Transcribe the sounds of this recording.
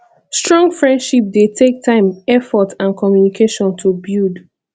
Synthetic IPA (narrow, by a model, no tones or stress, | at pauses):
stɹɔ̃ŋɡfɹɛ̃ndʃip̚detʰek̚tʰãɪ̃mɛfɔtãnkʰɔmjunikʰeʃɔ̃ntʰubid